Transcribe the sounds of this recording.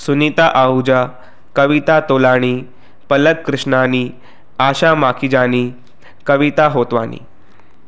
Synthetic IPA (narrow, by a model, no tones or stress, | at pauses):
sunit̪aʔaud͡ʑa | kəʋit̪at̪olaɽ̃iː | pələkːɾɨʂɳaniː | aɕamakʰid͡ʑaniː | kəʋit̪aɦot̪ʋanḭː